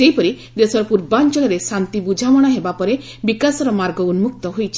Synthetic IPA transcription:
eɦjpɔɾi | d̪esɔɾɔpuɾbant͡ʃɔɭɔɾesant̪ibud͡ʒʱawɔɽ̃aɦebapɔɾe | bikasɔɾɔmaɾɡɔunmuk̚t̪ɔɦojt͡ʃʰi

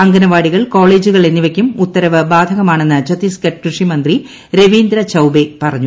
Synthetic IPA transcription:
ɐŋɡɐnɐʋaːɽiɣɐɭko̞ːɭe̞ːd͡ʑuɣɐɭe̞nːiʋɐkʲːumut̪ːɐɾɐʋɨbaːd̪ʱɐɣɐmaːɳe̞nːɨt͡ɕɐt̪iskɐʈ̚krɨʂimɐnd̪ri | ɾe̞ʋiːnd̪ɾɐt͡ɕɐwbe̞pɐrɐɲːu

